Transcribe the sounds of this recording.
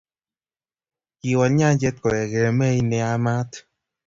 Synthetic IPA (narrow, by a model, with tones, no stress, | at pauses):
i˨wɔ˨˦ɲa˦d͡ʒɛ˦t̚kɔ˨ɾɛ˨ɡe˨ɾɛ˨mɛ˦i˦nɛ˧a˦ma˦t